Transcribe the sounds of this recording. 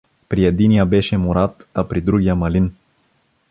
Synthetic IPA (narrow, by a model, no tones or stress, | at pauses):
pɾied̪inijabɛʃɛmuɾat̪apɾid̪ɾuɡʲiamɐlin